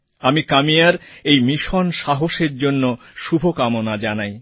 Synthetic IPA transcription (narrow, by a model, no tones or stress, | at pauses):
amikamijaɾejmiʃonʃaɦoʃeɾd͡ʑonːo | ʃubʱokamonad͡ʑanaj